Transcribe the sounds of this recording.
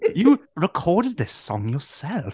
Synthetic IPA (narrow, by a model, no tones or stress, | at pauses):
jəɹɪkʰɔːɾɪd̪̚ðɪsɔ̰̃ŋjəsɛlˠf